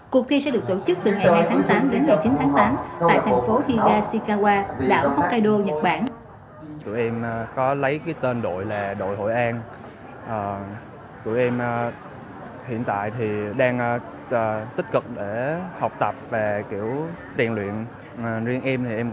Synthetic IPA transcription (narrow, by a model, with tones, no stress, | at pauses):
ku˨˩ək̪̚ʰi˧sɛ̰˧˥ɗɨ˨˩ək̚t̪o̰˧˩t͡ɕɨ˦˥k̚t̪ɨ˨˩ŋa˨˩jhaː˧jt̪ʰaː˨˦ŋt̪aː˨˦mɗe˨˦nŋa˨˩jt͡ɕi˨˦nt̪ʰaː˨˦ŋt̪aː˨˦mt̪a̰ː˧˨jt̪ʰɛ˨˩jŋ̟fo˨˦hi˧ɣaː˧si˧kaː˧ɣwaː˧ɗa̰ː˧˩wha˦˥wkːaː˧jɗo˧ɲə˨˩t̚ɓaː˧˩n | t̪ṵ˧˩jʔɛ˧mkɔ˨˦lə˨˦jkaː˨˦jt̪e˧nɗo̰˧˨jlaː˨˩ɗo̰˧˨jɦo̰˧˨jʔaː˧n | ʔəː˨˩ | t̪ṵ˧˩˨jʔɛ˧m | hḭ˧˨ənt̪a̰ː˧˨jt̪ʰi˨˩ɗaː˧ŋː˧˨˩ | t̪ï˦˥k̟̚kɨ˨˩k̚ɗe˧˩ha˨˩wk͡p̚t̪ə˨˩p̚ve˨˩ki˧˩əwt̪i˨˩ənlwḭ˧˨ən˨˩ | zi˧əŋʔi˧mt̪ʰi˨˩ʔɛ˧m